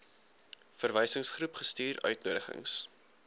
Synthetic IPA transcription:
fərvɛjsəŋsχrupχəstyːɾœ̰ɥtnuːdəχə̰ŋs

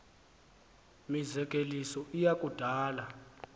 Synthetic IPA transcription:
mizɛkʼelisɔʔijakʼud̥ʱaːla

